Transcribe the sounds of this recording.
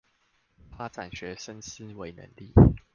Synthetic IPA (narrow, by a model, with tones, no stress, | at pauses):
fa˦˥ʈ͡ʂa˨˩nɕɥɛ˨˥ʂə˥˦ns̩˥we˧˥ɪnə̰˧˦ŋlḭ˥˨